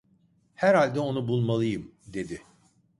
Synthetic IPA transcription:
hæɾhalʲd̪ɛo̞nubulˠmalˠɯjɯm | d̪e̞d̪ɪ

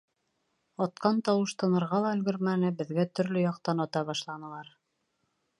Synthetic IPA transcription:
ɑt̪qɑnt̪ɑwɤʃt̪ɤ̆nɤ̆ɾʁɑlˠɑɵ̆lɡɵ̆ɾmænɘbɘ̆ðɡæt̪ɵ̆ɾlɵjɑq̚t̪ɑnɑt̪ɑβɑʃlˠɑnɤ̆lˠɑɾ

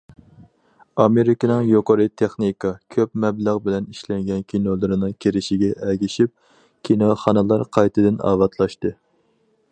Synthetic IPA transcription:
ɑmeɾɪkʲinɨŋjoqʰəɾɨt̪ʰeχnikʰɑkʲʰøp̚mɛbləʁbɪlɛniʃlɛŋɡʲɛnkʲʰinolˠɨɾɨnɨŋkʲʰeɾɪʃiɡʲɛʔɛɡʲiʃip̚ | kʲʰinoχɑnɨlˠɑɾqʰɑjt̪ʰɨd̪ɨnɑ̰ːvɑt̪ʰlˠɑʃt̪ɨ

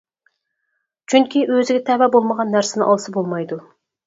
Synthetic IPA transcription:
t͡ʃʰyŋkʲʰiʔøzɪɡʲɛt̪ʰɛwæbolˠməʁɑnːæɾsɪnɪ̰ŋʔɑlˠɨsɨbolˠmɑjd̪u

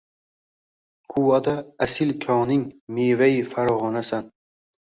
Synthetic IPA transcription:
kʰuwad̪aasɪlkʲʰɒnɪŋmevajɪfaɾɒʁɒnasan

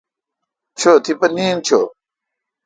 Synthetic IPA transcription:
t͡ɕʰot̪ʰipɐniːnt͡ɕʰo

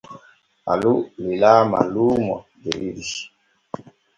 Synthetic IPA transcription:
a̰lulilama̰lumɔ̰deɾiɾi̥

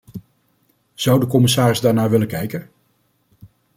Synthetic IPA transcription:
z̥ʌwdəkɔmɪsaːrɪzdaːɹnaːʋɪləkɛjkən

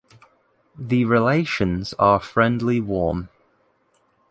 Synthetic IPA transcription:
ðəɹɪleɪʃə̃nz̥əfɹɛ̃ndˡliwɔːm

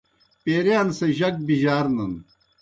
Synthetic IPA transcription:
peːɾjaːnseʑɐk̚biʑaːɾnɐn

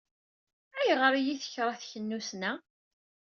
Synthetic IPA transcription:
æjʁəɾˤijiθə̥çɾˤɑθçənːusnæ

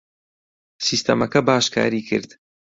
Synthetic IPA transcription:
siːst̪ɐ̰mɐkɐbaːʃkʰa̰ːɾiːkʰɨ̰ɾd̪

